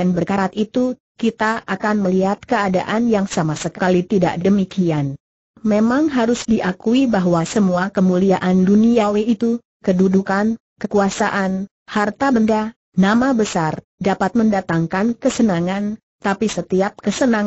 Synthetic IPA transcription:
anbərkaɾat̪it̪u | kit̪aakanməliɦat̪̚kəada̰ʔanjaŋsamasəkkalit̪ida̰ʔdəmikian | memaŋɦaɾʊsdiʔakuibaɦwasəmuakəmuliaʔanduniaweit̪u | kədudukan | kəkuasaʔan | hart̪abənda | namabəsar | dapat̪̚məndat̪aŋkankəsənaŋan | t̪apisət̪iap̚kəsənaŋ

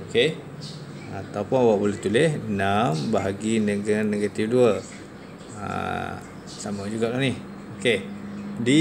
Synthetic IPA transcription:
oke | at̪aupʊnawaʔbulɛht̪ulɪhnambaɦaɡinəɡaneɡat̪ifduə | a̰ | samad͡ʒuɡaʔlahnih | okedi

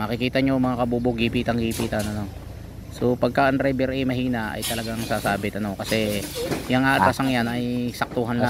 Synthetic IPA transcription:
makɪkiːt̪ɐɲomɐŋakɐbuboɡiːpiːt̪ɐŋɡiːpiːt̪ɐnɐno̞ | so̞pɐɡ̚kaʔɐnɾɛbɛɾʔɛjmɐhiːnaʔɐ̰jt̪ɐlɐɡaŋsasaːbɪt̪ɐno̞kɐsɛjɐŋʔaːʔ̪asɐŋjanɐjsɐk̚t̪uːɦanla

